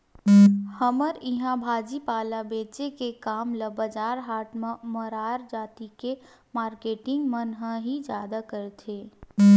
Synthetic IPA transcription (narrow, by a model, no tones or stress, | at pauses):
həməɾɪɦãbʱaːd͡ʒipaːlabeːt͡ʃekekaːmləbəd͡ʒaːɾɦaːʈməməɾaːɾd͡ʒaːt̪ike | maːɾkeːʈɪ̃ŋɡmənɦəɦid͡ʒjaːd̪akəɾet̪ʰeː